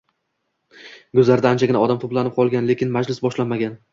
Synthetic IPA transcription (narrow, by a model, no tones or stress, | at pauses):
ɡɵzlaɾɪd̪aːnt͡ʃʰaɡʲɪnaɒd̪amt̪ʰoplanɪp̚qʰɒlˠɡʲanle̞kʲɪnmad͡ʒlɪsbɒʃlanmaɡʲan